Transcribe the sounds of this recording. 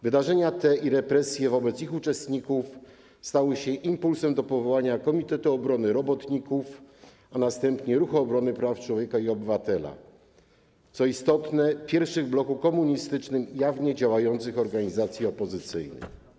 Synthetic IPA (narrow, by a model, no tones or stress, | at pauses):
vɘd̪aʐɛɲat̪ɛiɾɛpɾɛsʲjɛvɔbɛt̪sixut͡ʂɛst̪ɲikuf | st̪awɘɕɛʔimpulsɛmd̪ɔpɔvɔwaɲakɔmʲit̪ɛt̪uɔbɾɔnɘɾɔbɔt̪ɲikuf | anast̪ɛmpɲɛɾuxɔbɾɔnɘpɾaft͡ʂwɔvʲjɛkaiɔbɘvat̪ɛla̰ | t̪sɔist̪ɔt̪nɛpʲjɛɾfʂɘɣblɔkukɔmuɲist̪ɘt͡ʂnɘmjavɲɛd͡ʑawajɔnt̪sɘxɔɾɡaɲizat̪sʲjiɔpɔzɘt̪sɘjnɘ̰x